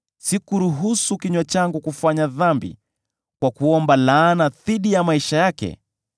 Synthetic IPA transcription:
sikuɾuɦusukiɲwat͡ʃaŋɡukufaɲaðambḭ | kwakuɔmbalaːnaðiɗijamaiʃajakɛ̰

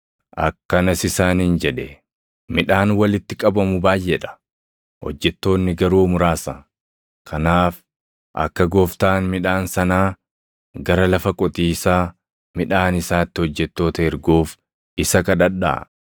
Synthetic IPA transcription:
ʔɐkːɐnɐsɪsaːnːnd͡ʒɛᶑɛ | mɪᶑaːnwɐlɪt̪ːɪkʼɐbɐmʊbaːjʔɛᶑɐ̥ | hɔ̰d͡ʒːɛt̪ːo̞ːnːɪɡɐɾuːmʊɾaːsɐ | kʰɐnaːf | ʔɐ̰kːɐɡoːft̪aːnmɪᶑaːnsɐnaː | ɡɐɾɐlɐfɐkʼɔt̪ʼiːsaː | mɪᶑaːnɪsaːt̪ːɪɔd͡ʒːɛt̪ːo̞ːt̪ɐɛɾɡoːf | ɪsɐkɐd̪ɐɗːa̰

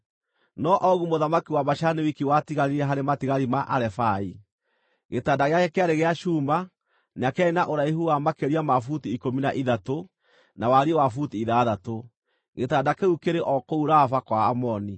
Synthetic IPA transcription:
nɔʔɔɣumoðamakiwamaʃanewikiwatiɣaɾiɾɛɦaɾematiɣaɾimaʔaɾɛfai | ɣetaːdaɣeaekeaɾeɣeaʃuːma | neakainaʔoɾaihuwamakeɾiamafutiːkominaʔiðato | nawaɾiɛwafutiːðaðato | ɣetadakeukeɾeʔɔkouɾafakwaːmɔni

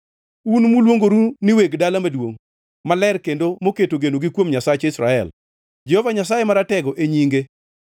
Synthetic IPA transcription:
unmulwoŋɡoɾunɪweɡdalamadwoŋ | malɛrkendomoketoɡenoɡɪkwomɲasat͡ʃɪsɾa̰ɛ̰l | d͡ʒɛhovaɲasajemaɾatɛɡɔʔeɲiŋɡe

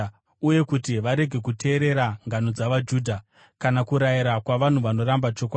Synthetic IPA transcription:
uje̞kutiʋaɾe̞ɡʱe̞k̬utʰe̞ːɾe̞ɾaŋɡanod͡zaʋad͡ʒuːdʱa | kanakuɾajiɾakwaʋan̤uʋano̞ɾambat͡ʃo̞k̬wa

